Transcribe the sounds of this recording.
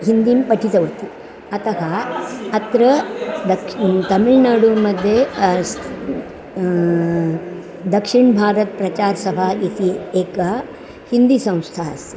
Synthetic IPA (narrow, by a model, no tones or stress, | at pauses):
ɦind̪impɐʈʰit̪ɐʋɐt̪i | ɐt̪ɐɦɐɐt̪ɾɐd̪ɐkt̪ɐmiɭnaːɽumɐd̪ʱjes | d̪ɐkʂiɳbʱaːɾɐt̪̚pɾɐt͡ʃaːɾsɐbʱait̪ieːkɐ | hind̪isɐ̃w̃st̪ʰaːɐ̰s